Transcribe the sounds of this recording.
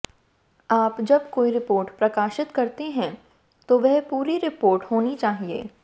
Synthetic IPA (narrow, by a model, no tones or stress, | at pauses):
aːpd͡ʒɐbkoːiɾɪpoːɾʈpɾɐkaːʃɪt̪kɐɾt̪eɦɛ̃ | t̪oʋɛɦpuːɾiɾɪpoːɾʈhoːnit͡ʃaːɦiḛː